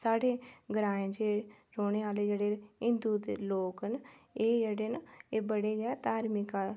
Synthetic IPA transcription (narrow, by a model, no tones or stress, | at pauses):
saːɖeːɡəɾaːẽd͡ʒeː | ɾoːñeːaːleːd͡ʒeːɽeːɪ̃nd̪ud̪ḛloːkneːd͡ʒeːɽeːneːbəɽeːɡɛt̪aːɾmɪka